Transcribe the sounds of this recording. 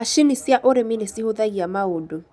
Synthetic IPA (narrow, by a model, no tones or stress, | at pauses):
aʃinisiaʔoɾeminesihoðaiamaodo